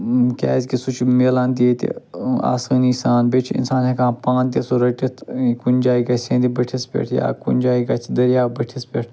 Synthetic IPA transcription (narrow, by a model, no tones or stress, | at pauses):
kʲɛ̰ːzʲkisut͡ʃʰmeːlãːnt̪it̪ḭa̰ːsəːnisaːnbet͡ʃʰḭnsaːnekʰãːpãːnt̪iesuɾɐʈit̪ʰkunʲd͡ʒaːiɡɐsʲẽːnd̪ibɐʈʰispʲḛʈʰja̰ːkṵnʲd͡ʒaːiɡɐt͡sʰd̪ɐɾijaːbɐʈʰispeʈʰ